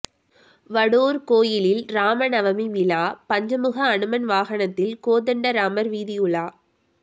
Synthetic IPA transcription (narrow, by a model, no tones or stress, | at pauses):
ʋɐɽoːɾkoːjɪlɪlɾaːmɐnɐʋɐmiʋɪlaːpɐɲd͡ʒɐmɯɣɐːɳɯmɐnʋaːɣɐɳɐt̪ːɪlkoːðɐɳɖɐɾaːmɐɾʋiːðɪjɯɭaː